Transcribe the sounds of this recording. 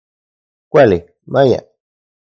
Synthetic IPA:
kʷale | mãɲã̰

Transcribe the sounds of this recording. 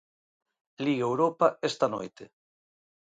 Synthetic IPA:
liɣeewɾopaest̪ano̰jt̪e

